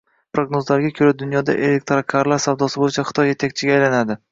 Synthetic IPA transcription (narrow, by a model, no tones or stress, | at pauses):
pʰɾoɡnozlaɾɡʲakʲʰɵɾad̪ʊnjɒd̪a̰ʔe̞le̞k̚ʲt̪ɾakʲʰaɾlaɾsawd̪ɒsɪbojɪt͡ʃʰaχɨ̥t̪ʰɒjːe̞t̪ʰakʲt͡ʃʰɪɡʲaːjlanad̪ɪ